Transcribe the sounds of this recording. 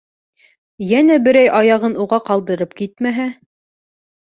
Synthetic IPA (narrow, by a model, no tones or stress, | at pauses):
jænæbɘ̆ɾæjʔɑjɑʁɤnuʁɑqɑlˠd̪ɤ̆ɾɤp̚kit̪mæɦæ